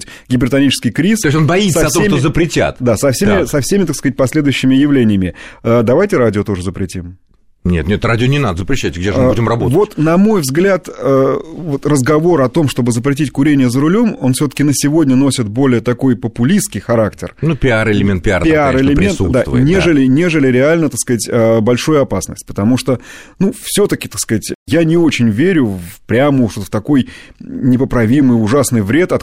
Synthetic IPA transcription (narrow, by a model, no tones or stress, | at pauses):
tʲ | ɡʲɪbʲɪrt̪ɐnʲit͡ɕɪ̥skʲɪjkɾʲisosʲonbɐit̪səɐt̪oemt̪ozəpɾʲɪtʲa̰t̪d̪asɐfsʲemmɪɪsɐfsʲemʲɪt̪akskəzatʲpɐsʲlʲed̪ʊjʏɕːɪmʲɪjɪvlʲenʲɪjəmʲɪəd̪ɐvajtʲɪɾadʲɪot̪o̞ʐəzəpɾʲɪtʲim | nʲet̪nʲet̪radʲɪonʲɪnad̪əzəpɾʲɪɕːæt̚ʲɡdʲeʐmːudʲɪmrɐbovo̞tt̪nɐmo̞jvzɡlʲat̪əvo̞t̪rəzɡɐvo̞ɾɐt̪o̞mʂt̪o̞bɨzəpɾʲɪtʲitʲkʊɾʲenʲɪjəzəɾʊlʲo̞mo̞nfsʲot̪ə̥kʲɪnəsʲɪvo̞dʲnʲəno̞sʲɪt̪̚bo̞lʲɪjət̪ɐko̞jpəpʊlʲiskʲɪjxɐɾaktʲɪ̰rnupʲɪaɾɪlʲɪmʲent̪̚pʲɪa̰pɪaɾɪlʲɪmʲesud̪anʲeʐɨlʲɪnʲe̞ʐɨlʲɪɾʲɪalʲnət̪ɐkskɐzatʲəbɐlʲʂojʊɐpasnə̰sʲtʲpə̥t̪ɐmuʂt̪onufsʲo̞t̪əkʲɪ̥t̪ɐkskɐatʲjanʲɪo̞t͡ɕɪnʲvʲeɾʲʊvpɾʲaməʂt̪ot̪ft̪ɐko̞jnʲɪpəpɾɐvʲimɨjʊʐasnɨjvɾʲe̞t̪ɐt̪